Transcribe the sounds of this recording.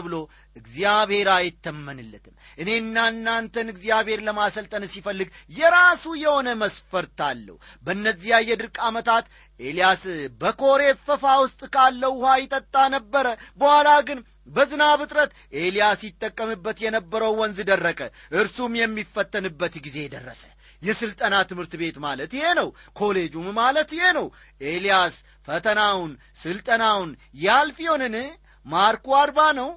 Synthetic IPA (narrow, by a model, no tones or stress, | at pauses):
βɨlo̞ | ɨɡziaβhe̞ɾajɛt̪ʰːəmːənɨlːət̪ʰɨmʔɨne̞ɨnːanːant̪ʰənɨɡzijaβhe̞ɾləmasəlt̪ʼənsifəlːɨɡjɛɾasujɛho̞nəməsfəɾt̪ʰalːə̰hubəɨnːəzːihajːɛd̪ɨɾkʼamət̪ʰat̪ | ʔe̞lijasbəkʰo̞ɾe̞fəfawʊst̪ʼkʰalːəhhʷajɪt̪ʼət̪ʼːanəbːəɾəbəhʷalaɡɨn | bəzɨnaβɨt̪ʼɾət̪ | ʔe̞lijasjɪt̪ʼːəkʼːəmɨbːət̪jɛnəbːəɾəwːɔnzɨd̪ərːəkʼə | ʔɨɾsumjɛmːifːət̪ʰʼːənɨbːət̪ɡize̞jɛd̪ərːəsə̥ | jɛsɨlt̪ʼənat̪ʰɨmhɨɾt̪ɨbe̞t̪malət̪ɪhe̞nəwkʰo̞le̞d͡ʒumːalət̪ɪhe̞nəw | ʔe̞lijas | fət̪ʰənawn | sɨlt̪ʼənawn | jalfijonɨn | maɾkuaɾbanəw